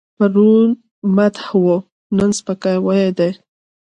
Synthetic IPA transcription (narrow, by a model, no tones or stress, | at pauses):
paɾun | mat̪hwo | nənspəkajwajed̪ej